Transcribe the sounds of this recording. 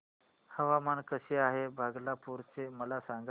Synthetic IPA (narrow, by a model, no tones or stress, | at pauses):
həʋamankəɕeaɦebʱaɡlapuɾt͡seməlasãŋɡ